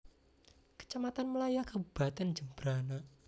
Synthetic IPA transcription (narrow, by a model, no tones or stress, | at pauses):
kə̥t͡ʃamat̪anməlajakəbb̥a̤t̪ɛnd͡ʒəmb̥ɾana